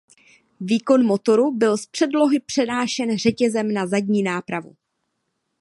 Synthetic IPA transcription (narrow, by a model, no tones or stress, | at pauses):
viːko̞nmo̞t̪o̞ɾubɪlspr̥ɛdlo̞ɦɪpr̥ɛnaːʃɛnr̝ɛcɛzɛmnazaɟɲiːnaːpɾavṵ